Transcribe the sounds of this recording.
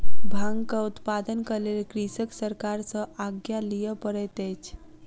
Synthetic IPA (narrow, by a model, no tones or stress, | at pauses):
bʱãŋɡkəut̪pad̪ənkəɾlelkɾisəksəɾkaɾsə̃aɡjalijəpəɾɛt̪əjt͡ʃʰ